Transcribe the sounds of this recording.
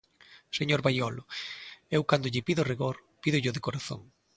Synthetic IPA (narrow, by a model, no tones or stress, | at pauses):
seɲoɾβajɔlʊewkand̪ʊʎɪpiðʊriɣoɾpiðʊʎʊðɪkoɾaθo̰ŋ